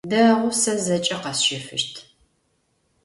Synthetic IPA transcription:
dɐʁʷʊsɐzɐt͡ʃʼɐqɐsʃɪfɨ̰ʃtʰ

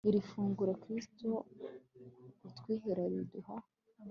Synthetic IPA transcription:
iɾifuːŋɡuɾakɾisto | utwiːɦeɾaɾiduha

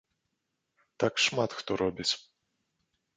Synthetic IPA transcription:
t̪akʂmat̪xt̪ɔɾɔbʲit͡sʲ

